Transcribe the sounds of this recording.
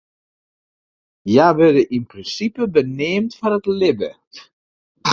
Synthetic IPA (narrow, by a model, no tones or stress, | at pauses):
jaʋɛdəʔinprinsipəbənɪːmtfɔnətlɪbə